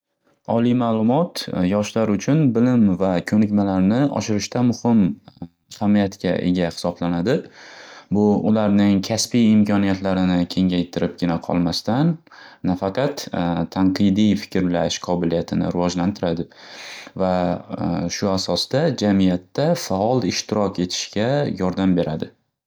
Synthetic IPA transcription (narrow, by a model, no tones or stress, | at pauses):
ɒlˠijmalˠʊmɒt̪jɒʃlaɾʊt͡ʃʰʊnbɪlɪmvakʲʰɵnɪkʲmalaɾnɪʔɒ̰ʃɪɾɪʃt̪ʰamʊhɪm | hamijat̪kʲa̰ʔe̞̰ɡʲahɪ̥sɒblanad̪ɪ | bʊʔʊlaɾnɪŋkʲʰaspijɪmkʲʰɒnijat̪laɾɪnɪkʲʰe̞ŋʲajt̪ʰɪɾɪp̚ɡʲɪnaqʰɒ̰lˠmast̪anː | afɑqʰɑt̪t̪ʰːaɴqɨjd̪ijfɪ̥kʲɾlaʃqʰɒbɪlijat̪ʰɪnɪ̰ɾɪvɒd͡ʒlant̪ʰɪɾad̪ɪva | ʃʊasɒsd̪̥ad͡ʒamijat̪ːafaɒlˠɪʃt̪ʰɪɾɒkʰʲe̞t̪ʰɪ̥ʃkʲajɒɾd̪ambe̞ɾʔad̪ɪ